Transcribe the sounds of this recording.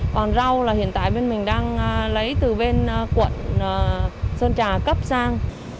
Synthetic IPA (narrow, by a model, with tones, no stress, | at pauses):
kɔ˨˩nza˧wlaː˨˩hḭ˧˨ənt̪a̰ː˧˨jɓe˧nmï˨˩ŋ̟ɗaː˧ŋlə˨˦jt̪ɨ˨˩ɓe˧nkwə̰˧˨nː˨˩ | səː˧nt͡ɕaː˨˩kə˦˥p̚saː˧ŋ